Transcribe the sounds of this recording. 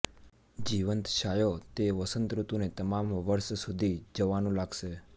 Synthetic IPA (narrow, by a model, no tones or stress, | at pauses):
d͡ʒiʋənt̪ʃajot̪eʋəsənt̪ɾut̪unet̪əmamʋəɾʃsud̪ʱid͡ʒəʋanũlaɡʃe